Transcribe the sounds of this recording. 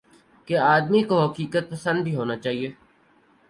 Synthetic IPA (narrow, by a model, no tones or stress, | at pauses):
keaːd̪mikoɦɐkiːkət̪̚pəsə̃nd̪̚bʱiɦoːnat͡ʃaːɦieː